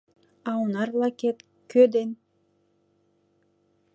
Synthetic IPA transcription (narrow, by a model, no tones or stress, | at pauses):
ɑwnɑɾlˠakʲet̪ | kød̪en